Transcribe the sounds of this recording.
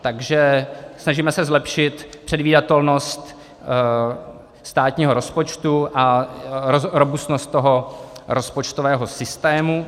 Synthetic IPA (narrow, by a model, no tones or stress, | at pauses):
t̪aɡʒɛsnaʒimɛsɛzlɛpʃɪt̪pr̝̥ɛdviːdat̪ɛlno̞st̪ | st̪aːt̪ɲiːɦoɾo̞spo̞t͡ʃt̪uʔaoɾobusnost̪̚t̪ːo̞ɦoɾospot͡ʃt̪ovɛːɦo̞sɪst̪ɛːmu